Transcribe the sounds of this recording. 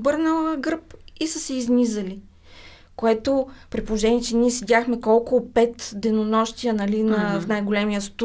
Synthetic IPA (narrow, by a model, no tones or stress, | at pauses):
bɤɾnəlˠəɡɾpisəsɛiznizəli | koɛt̪opɾipolˠoʒɛniɛt͡ʃɛnʲiɛsɛd̪ʲaxmɛkɔlˠkolˠopɛt̪d̪ɛnonɔʃt̪ijənɐlinɐfnajɡolɛmijəst̪